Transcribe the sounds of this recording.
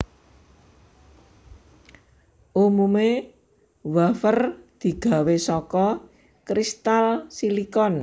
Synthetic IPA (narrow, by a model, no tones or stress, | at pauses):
ʔumume | wafərd̪̥i̤ɡ̥a̤wesɔkɔ | kɾist̪alsilikɔn